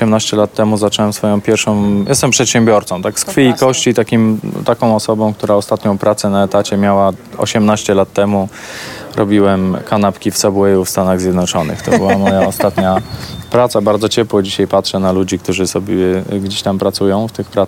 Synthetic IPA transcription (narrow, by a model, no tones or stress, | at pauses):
ɔɕɛmnaɕt͡ɕɛlat̪ːɛmuzat͡ʂɛwɛmsfɔjɔ̃w̃pʲjɛɾfʂɔ̃w̃jɛ̰st̪ɛmpʂɛt̪ɕɛmbʲjɔɾt̪sɔ̃w̃t̪akskfʲiikɔɕt͡ɕit̪akʲimt̪akɔ̃w̃ɔsɔbɔ̃w̃k̚t̪uɾaɔst̪at̪ɲɔ̃w̃pɾat̪sɛnaɛt̪at͡ɕɛmʲjawaɔ̰ɕɛmnaɕt͡ɕɛlat̪ːɛmu | ɾɔbʲiwɛmkanapkʲift̪sabuɛjufst̪anaɣzʲjɛd̪nɔt͡ʂɔnɘ̰xt̪ɔbɨwaamɔjaɔst̪at̪ɲapɾat̪sabaɾd̪zɔt͡ɕɛpwɔd͡ʑiɕajpatʂɛnalud͡ʑikt̪uʐɘsɔbʲjɛɡd͡ʑeɕt̪ampɾat̪sujɔ̃w̃ft̪ɘxpɾa